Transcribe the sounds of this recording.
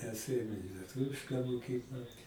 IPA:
mʲɛs ˈeːjoːm ɪ lʲiɛˈtʊʋʲɪʃkɑː moːˈkʲiːklˠɐ

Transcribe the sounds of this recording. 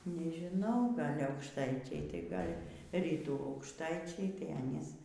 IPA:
nʲɛʒʲɪˈnɐʊ ˈɡɐlʲ ɐʊkʃˈtɐɪt͡ʃʲɛɪ tɐɪ ˈɡɐlʲ ˈrʲiːtuː ɐʊkʃˈtɐɪt͡ʃʲɛɪ tɐɪ ˈɑːnʲiːs

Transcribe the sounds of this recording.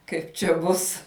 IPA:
ˈkɐɪp t͡ʃʲɛ ˈbʊs

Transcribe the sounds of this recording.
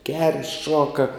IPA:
ɡʲɛrʲ ˈʃuɔkɐ

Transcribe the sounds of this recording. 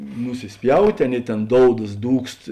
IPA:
nʊsʲɪsʲˈpʲjɛʊtʲeː ˈɑːˌnʲeːɪ ˈtʲeːn ˈdoːʊdɐs ˈduːkst

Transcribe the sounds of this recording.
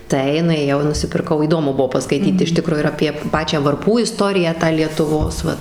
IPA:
ˈtɐɪ nʊeːˈjɛʊ ɪ nʊsʲɪpʲɪrˈkɐʊ iːˈdoːmʊ ˈbʊʋoː pɐskɐɪˈtʲiːt ɪʃ ˈtʲɪkroː ɪr ɐpʲiɛ ˈpɑːt͡ʃʲæː ʋɐrˈpuː ɪˈstoːrʲɪjæː tɑː lʲiɛtʊˈʋoːs ˈʋɐt

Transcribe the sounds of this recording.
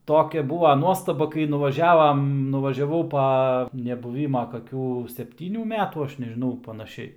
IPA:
ˈtoːkʲɛ ˈbuːʋɐ ˈnuɔstɐbɐ kɐɪ nʊʋɐˈʒʲæːʋɐm nʊʋɐʒʲɛˈʋɐʊ ˈpɐ nʲɛbʊˈʋʲiːmɐ kɐˈkʲuː sʲɛpʲˈtʲiːnʲuː ˈmʲæːtuː ˈɐʃ nʲɛʒʲɪˈnɐʊ pɐnɐˈʃʲɛɪ

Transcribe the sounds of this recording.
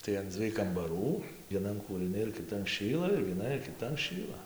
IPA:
tɐɪ ɐn ˈd͡zʲʋʲiɛj kɐmbɐˈruː ʋʲiɛˈnɐn kuːrɨˈnʲɪ ɪr kʲɪˈtɐn ˈʃʲiːlˠɐ ɪr ʋʲiɛˈnɐn ɪr kʲɪˈtɐn ˈʃʲiːlˠɐ

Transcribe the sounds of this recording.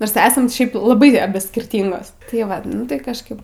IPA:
noːrs ˈæːsɐm ˈʃʲɛɪp lˠɐˈbɐɪ ɐˈbʲɪ sʲkʲɪrʲˈtʲiːŋɡoːs tɐɪ ˈʋɐt ˈnʊ tɐɪ kɐʃˈkɐɪp

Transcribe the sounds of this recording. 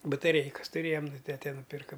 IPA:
bɐtɐˈrʲɛɪkɐs tʊˈrʲeːjɛm nʊ ˈtʲæːtʲɛ nʊˈpʲɪrkɐ

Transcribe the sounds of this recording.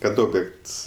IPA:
kɐt ˈoːbʲjɛkts

